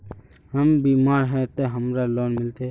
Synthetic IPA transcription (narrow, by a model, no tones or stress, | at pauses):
ɦəmbiːmaːɾɦɛt̪oɦəmɾaloːnmɪlt̪e